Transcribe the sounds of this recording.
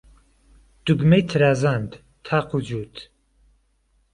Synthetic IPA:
d̪̥uɡmejt̪ʰɨɾaːzand̪ | t̪ʰaːqʰud͡ʒuːt̪

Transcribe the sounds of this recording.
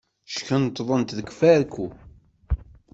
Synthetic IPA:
ʃkənt̪ðˤənt̪ðəɡfæɾkːu

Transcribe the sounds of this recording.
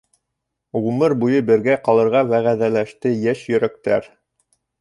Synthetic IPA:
ʁumɤɾbujɤbɘ̆ɾɡæqɑlˠɤ̆ɾʁɑwæʁæðælæʃt̪ɘjæʃjɵ̆ɾæk̚t̪æɾ

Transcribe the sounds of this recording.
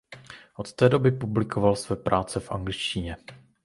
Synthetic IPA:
ʔo̞t̪t̪ɛːdo̞bɪpublɪkʰo̞valsvɛːpɾʔaːt͡sɛfʔa̰ŋɡlɪt͡ʃcɪɲɛ

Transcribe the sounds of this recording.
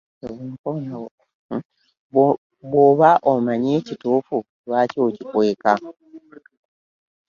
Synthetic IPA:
eβuŋkonao | βwoβaʔomaɲeːcituːfu | βwaːco̞ːcikwe̞ːka

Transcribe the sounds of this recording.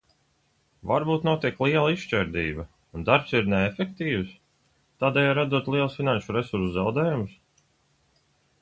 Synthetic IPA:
vaɾbuːt̪nuɔt̪iɛklˠiɛlˠaiʃʃt͡ʃɛɾd̪ḭːbɐ | und̪aɾpsiɾneːfek̚t̪iːws | t̪aːd̪ɛːjaːɾad̪uɔt̪lˠiɛlˠsfinanʃuɾɛsuɾszawd̪ɛːjumʊs

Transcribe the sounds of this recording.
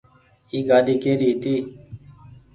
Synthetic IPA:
iːɡaːɗiːkeːɾiːt̪iː

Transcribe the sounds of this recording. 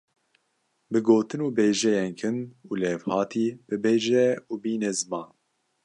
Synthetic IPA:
bɨɡoːt̪ɨnuːbeːʒɛjɛnkʰɨnulɛːvhɑːt̪ʰiːb̥ɨbeːʒɛuːbiːnɛzɨmɑːn

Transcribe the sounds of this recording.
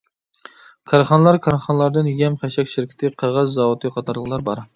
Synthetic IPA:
kʰɑɾχɑnɨlˠɑɾkʰɑɾχɑnlˠɑɾd̪ɨnjɛmχæʃɛkʲʃɪɾkʲʰɪ̥t̪ʰɪqʰɑʁɑzːɑwut̪ʰɨqʰɑt̪ʰɑɾlˠəχlˠɑɾbɑɾ

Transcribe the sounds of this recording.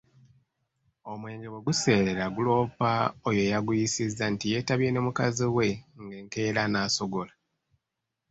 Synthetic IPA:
o̞mwe̞ːŋɡewe̞ɡuse̞ːɾeɾaɡulo̞ːpaojo̞jaɡujisizːantije̞taβje̞ne̞mukaziwe̞ŋɡeːŋke̞ːɾanaːso̞ɡo̞la

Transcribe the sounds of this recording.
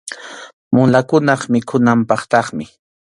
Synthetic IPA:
mʊlakʊnɑχmɪkʰʊnampɑχt̪ɑχmɪ

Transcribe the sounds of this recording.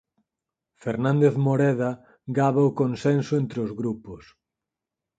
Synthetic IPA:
feɾnãnd̪eθmoɾɛða | ɡaβaʊkonsensʊent̪ɾeozɣɾupʊs

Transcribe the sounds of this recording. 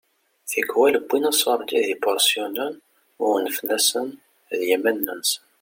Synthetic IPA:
θiɡwæləbːinæsɑɾˤd̪iðibɔɾsjɔnæn | ʊɾnəfnæsən | ðjimænːəns

